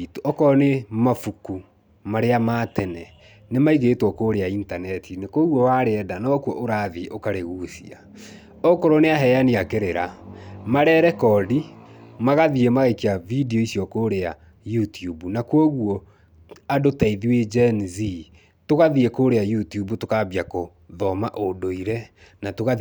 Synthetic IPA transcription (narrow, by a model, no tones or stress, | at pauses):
tɔkɔnemafuku | maɾeamatɛnɛ | nemaiɣetwɔkoːɾeaintanɛtinekwoɣwɔwaɾeɛdanɔkwɔʔoɾaðiʔokaɾeɣuːsḭa | ɔkɔɾoneaɦɛjaneakeɾeɾamaɾɛɾɛkɔdimaɣaðiemaɣaikiavidiɔisiɔkoɾea | jutiubunakwɔɣuɔ | adotaiðiwed͡ʒɛnzi | toɣaðiekoːɾeajutiubutokaβiako | ðɔmaʔodoiɾɛ | natoɣa